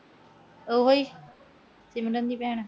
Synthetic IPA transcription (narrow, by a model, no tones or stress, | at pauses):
oɦoːiː | t͡ʃɪmɾənd̪iːpɛːɳ̃